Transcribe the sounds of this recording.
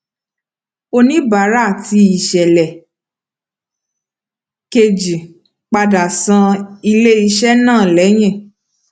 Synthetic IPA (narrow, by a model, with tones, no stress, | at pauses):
o˧nĩ˦ba˨˦ɾa˦˨ti˧i˨ʃɛ˨lɛ˨ | ke˧d͡ʒi˨ | k͡pa˧da˨sã˧i˧le˦i˧ʃɛ˦nãː˦˨lɛ˨˦j̃ɛ̃˦˨